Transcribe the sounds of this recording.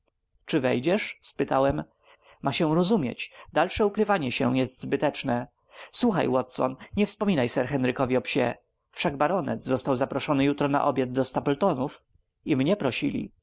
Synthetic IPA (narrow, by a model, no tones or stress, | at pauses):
t͡ʂɘvɛjd͡ʑɛʂspɘt̪awɛm | maɕɛ̃ɾɔzumʲjḛt͡ɕd̪alʂɛukɾɘvaɲɛɕɛ̰jɛst̪zbɘt̪ɛt͡ʂnɛ | swuxa̰jwɔt̪sɔ̰nɲɛfspɔmʲinajsɛɾxɛnɾɘkɔvʲiɔpɕɛ̰ | fʂaɡ̚baɾɔnɛ̰t̪zzɔst̪awzapɾɔʂɔnɘjut̪ɾɔna̰ʔɔbʲjad̪̚d̪ɔst̪apɔlt̪ɔnuf | imɲɛpɾɔɕḭlʲḭ